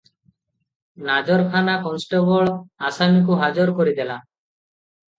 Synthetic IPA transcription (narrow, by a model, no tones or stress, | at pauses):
nad͡ʒɔɾkʰanakɔnsʈɔbɔɭasamikuɦad͡ʒɔɾkɔɾid̪ɛla